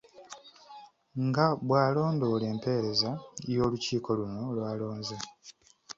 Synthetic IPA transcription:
ŋɡaβwaːlo̞ːndo̞ːle̞ːmpe̞ːɾe̞zajo̞ːluciːko̞luno̞lwaːlo̞ːɲze

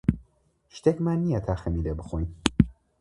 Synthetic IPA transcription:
ʃt̪eːkmaːnːijɐt̪ʰaːxɐmiːlebɨxojn

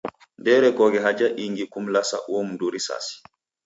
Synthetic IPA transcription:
ndɛɾɛɡɔɡɛɦad͡ʒaʔiŋɡikumlasa̰ʔomdoɾisa̰si̥

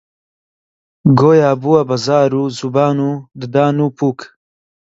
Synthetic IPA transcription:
ɡoːjaːbuwɐbɐzaːɾuːzubaːnud̪ɨd̪aːnuːpʰuːk

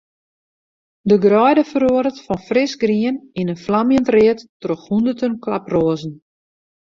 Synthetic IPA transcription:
dəɡrɔjdəfəɾoəɾətfɔnfrɪsɡriəninənflamjəntrɪətːroxundətənkla̰proəzn̩

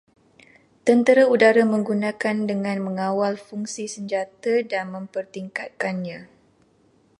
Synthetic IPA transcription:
t̪ənt̪əɾaudaɾamə̃ŋɡunãkandəŋãnmə̃ŋãwalfuŋsisəɲd͡ʒat̪adanmə̃mpərt̪iŋkat̪̚kanɲã

